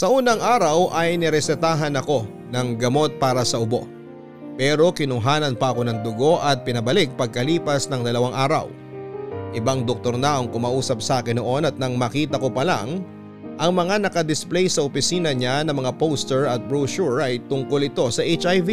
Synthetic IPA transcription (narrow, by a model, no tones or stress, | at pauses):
sɐʔuːnɐŋʔaːɾɐwʔɐjnɛɾɛsɛt̪aːɦɐnɐko̞ | nɐŋɡɐmo̞t̪̚paːɾɐsɐʔʊbo̞̰ | pɛːɾo̞kɪnʊŋɦaːnɐnpɐʔɐko̞nɐŋd̪ʊɡo̞ʔɐt̪̚pɪnɐbɐlɪk̚pɐɡ̚kɐliːpɐsnɐŋd̪ɐlɐwaŋʔaːɾɐ̰w | ʔɪbaŋd̪ok̚t̪o̞ɾnɐʔɐŋkʊmaːʔuːsɐp̚sɐaːkɪnːoʔo̞nɐt̪̚nɐŋmɐkiːt̪ɐko̞pɐla̰ŋ | ʔɐŋmɐŋanɐkɐd̪ɪsplɛjsɐʔopɪsiːnɐɲanɐmɐŋapowst̪ɛɹɐt̪̚bɹuːʃuɹɐjt̪ʊŋko̞lɪt̪o̞sɐʔet͡ʃʔajvi